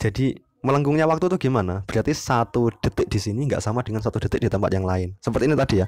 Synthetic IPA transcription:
d͡ʒʒ̥adi | mələŋɡuŋɲawakt̪ut̪uɡ̥imanab̥ɾiat̪isat̪ud̥ə̤t̪ɪk̚d̥isiniŋɡa̰ʔsamad̥əŋansat̪ud̥ət̪ɪk̚d̥it̪əmpat̪̚jaŋlaɪnsəpərt̪init̪ad̥ija

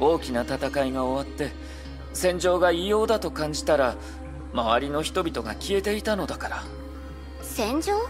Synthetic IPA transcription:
o̞ːkʲinat̪at̪akaiɡao̞βat̪ːe̞ | sẽ̞ɲ̟d͡ʑo̞ːɡaijo̞ːd̪at̪o̞kãɲ̟d͡ʑi̥t̪aɾa | maβaɾʲino̞çi̥t̪o̞bʲit̪o̞ɡakʲie̞t̪e̞it̪ano̞d̪akaɾa | sẽɲ̟d͡ʑoː

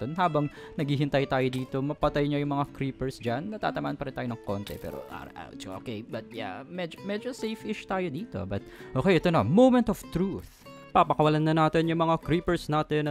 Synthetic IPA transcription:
onɦaːbɐŋnɐɡiːɦɪnt̪ajt̪aːjod̪iːt̪o̞mɐpɐt̪ajɲojʊŋmɐŋakɾiːpɛɹsd͡ʒanːɐt̪a̰ːt̪ɐmaːʔɐnpɐɾɪnt̪aːjonɐŋko̞nt̪ɛ̰pɛ̰ːɾo̰ʔa̰ɾʔa̰wt͡ʃʔo̰kɛjbɐt̪̚ja̰mɛd͡ʒomɛd͡ʒosejfʔɪʃt̪aːjod̪iːt̪o̞̰bɐt̪̚ʔoːkɛjʔɛt̪onmowmɛnt̪ɔft̪ɾuθ | papɐkɐwɐlanːɐnaːt̪ɪnjʊŋmɐŋakɾiːpɛɹsnaːt̪ɛn

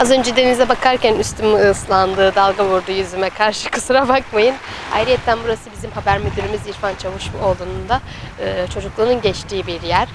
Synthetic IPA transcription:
azø̞nd͡ʒɛd̪e̞nizɛbakʰaɾcænyst̪ʰymɯslˠand̪ɯːd̪alˠɡavuɾd̪ujyzymɛkʰaɾʃɯkʰɯsuɾabakmajɯn | a̰jɾijɛt̪ʰːænbuɾasɯbizimhabæɾmyd̪yɾymiziɾfant͡ʃʰavɯʃolˠuːnund̪a | ɯːt͡ʃʰo̞d͡ʒuklˠanɯnɟɛt͡ʃt̪ʰiːbiɾjæɾ̥

